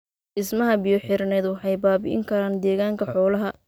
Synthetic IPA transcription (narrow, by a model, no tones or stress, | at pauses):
ʔɪsmɐɦɐbɪjɔħɪrnɛːd̪wɑħɑjbaːbɪ̰ʔɪ̰ŋkʰɐɾaːnd̪ɛːɣaːŋkʰɐħɔːlɐɦɐ